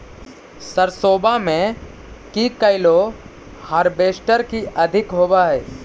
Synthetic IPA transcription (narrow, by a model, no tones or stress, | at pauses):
səɾsoːbamẽ | kikəɪlo | hɐɾbeːʃʈəɾkiʔɐd̪ʱɪkɦoːbaɦɛː